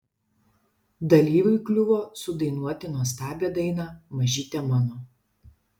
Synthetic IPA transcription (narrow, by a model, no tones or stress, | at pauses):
d̪ɐlʲiːʋʲʊɪklʲʊʋoːsʊd̪ɐɪnuɔt̪ʲɪnoːst̪ɑːbʲeːd̪ɐɪnɑːmɐʒʲiːt̪ʲɛmɑnoː